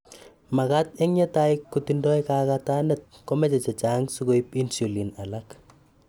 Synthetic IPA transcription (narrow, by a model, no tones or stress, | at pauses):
makat̚eŋɲetaikːutindɔjkakatanɛt̚kɔmɛt͡ʃɛt͡ʃɛt͡ʃaŋsuɡojpinsulinalak